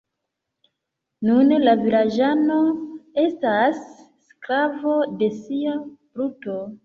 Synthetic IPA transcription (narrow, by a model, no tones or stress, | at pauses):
nunlavilad͡ʒano̞e̞stasː | klavo̞de̞siabɾuto̞